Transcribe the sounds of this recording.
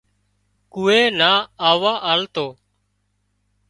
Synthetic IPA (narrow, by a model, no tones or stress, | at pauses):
kuːeːnaːaːʋaːʔaːlt̪oː